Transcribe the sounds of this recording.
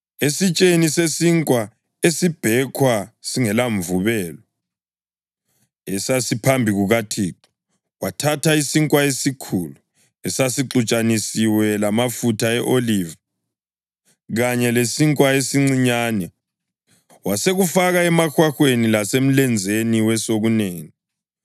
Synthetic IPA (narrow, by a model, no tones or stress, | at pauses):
esit͡ʃʼenisesiŋkʼwa | esib̥ʱɛkʰwasiŋɛlaɱvuβɛːlɔ | ɛsasipʰambʱiɣuɣatʰiǁi̥ | watʰatʰaisiŋkʼwaesikʰuːlu | ɛsasiǁut͡ʃʼanisiwɛlamafutʰaɛʔoliːva | ɣaɲɛlesiŋkʼwaesiŋ͡ǀiɲaːnɛ | waseɣufaɣaɛmaxwaxwenilasem̩lɛnd͡zʱeniwɛsoɣuneːŋi